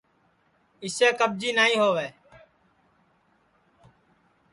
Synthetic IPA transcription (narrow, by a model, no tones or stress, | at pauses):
ɪseːkəb̚d͡ʒiːnaːĩːɦoːʋeː